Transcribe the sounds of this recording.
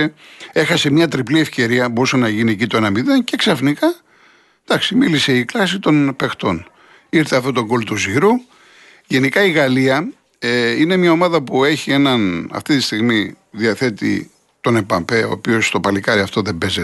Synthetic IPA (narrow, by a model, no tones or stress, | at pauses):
ee̞xɐse̞mɲɐt̪ɾiplie̞fce̞ɾiɐbo̞ɾusɐnɐʝinie̞cit̪oenɐmiðence̞ksɐfnikɐ | d̪̥ɐksimilise̞iklɐsit̪o̞npe̞xt̪o̞n | iɾθeɐft̪ot̪o̞ɡo̞lt̪uziɾu | ʝe̞nikɐiɣɐliɐ | eine̞mɲɐomɐðɐpue̞çie̞nɐnɐ̰ft̪it̪ist̪iɣmi | ðiɐθe̞t̪ḭ | t̪o̞nepɐmpe̞o̞̰ːpio̞st̪o̞pɐlikɐɾiɐft̪o̞ðe̞be̞ze